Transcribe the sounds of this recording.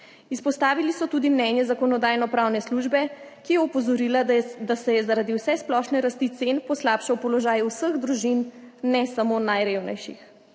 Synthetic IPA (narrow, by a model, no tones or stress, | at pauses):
ispɔst̪aːʋilisɔt̪uːd̪imnɛnjɛzakɔnɔd̪aːjnɔpɾaːwnɛsluʒbɛkijɛɔpɔzɔɾilad̪asɛjɛzaɾad̪iwsɛsplɔʃnɛɾast̪it̪senpɔslaːpʃawpɔlɔʒaːjwsəɣd̪ɾuʒinnɛsamonajɾeːwnɛ̰jʃḭx